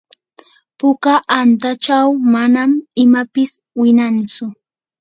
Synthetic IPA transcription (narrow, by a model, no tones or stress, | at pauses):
pʊkaʔant̪at͡ʃawmanamɪmapɪs | wɪnant͡sʊ